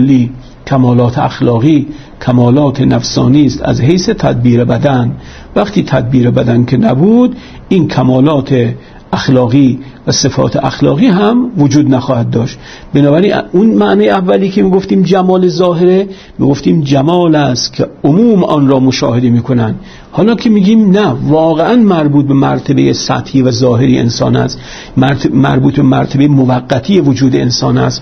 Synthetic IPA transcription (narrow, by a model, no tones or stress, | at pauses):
lːiː | kʰæmɒːlɒːt̪ʰeaxlɒːɣiː | kʰæmɒːlɒːt̪ʰenæfsɒ̰ːniːst̪æ̰zɦejset̪ʰæd̪̚biːɾebæd̪æn | væχt̪ʰiːt̪ʰæd̪̚biːɾebæd̪ænkʰenæbuːd̪ | inkʰæmɒːlɒːt̪ʰe | æxlɒːɣiː | væsefɒ̰ːt̪ʰeʔæxlɒ̰ːɣiːɦæmvod͡ʒuːd̪næxɒːhæd̪̚ːɒːʃt̪ | benɒːbæɾiːnunmæʔnɒːjeævːæliːkʰemiːɡoft̪iːmd͡ʒæmɒːlezɒːɦeɾe | mḭɡo̞ft̪iːmd͡ʒæmɒːlæst̪kʲʰeomuːmʔɒːnɾɒːmoʃɒ̰ːhe̞d̪emiːkʰo̞nænd̪̥ | hɒːlɒːkʰemiːɡiːmnævɒːɣeʔænmæɾbuːt̪̚be̞mæɾt̪ʰebejesæ̰t̪hiːvæzɒːɦe̞ɾiʔḛnsɒ̰ːnæ̰st̪ | mæ̰ɾbuːt̪bemæɾt̪ʰebejemovæɡːæt̪ʰiːjevod͡ʒuːd̪eensɒːnæ̰s